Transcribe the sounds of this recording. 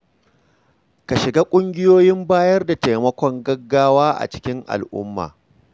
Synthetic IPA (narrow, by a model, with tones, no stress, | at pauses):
ka˨ʃɪ˨ɡaː˦kʷʼʊ˦ŋɡʲɪ˦joː˦jɪ˦mbaː˦jɐ˦rda˨ta˨mɐ˦kʷɔ˨ŋɡɐ˦ɡːaː˦waː˦ʔa̰˨t͡ʃɪ̥˦kʲɪ˦ŋʔa̰˨lʔʊ̰˦mːa̰ː˨